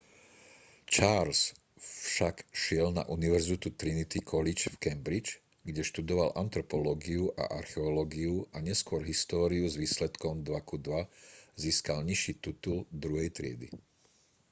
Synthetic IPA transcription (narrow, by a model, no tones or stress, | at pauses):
t͡ʃaːɾs | fʃakʃɪɛlna̰ʔuniʋɛɾzit̪ut̪ɾinit̪ikʰɔlit͡ʃfkɛmbɾit͡ʃ | ɡɟɛʃt̪ud̪ɔʋalʔant̪ɾɔpɔlɔɡiuʔa̰ʔaɾxɛɔlɔːɡiuʔaɲɛskʊɔɾɦist̪ɔːɾiuzʋiːslɛt̪kɔmd̪ʋakud̪ʋaziːskalɲiʃiːt̪it̪uld̪ɾuɦɛjt̪ɾɪɛ̰d̪ḭ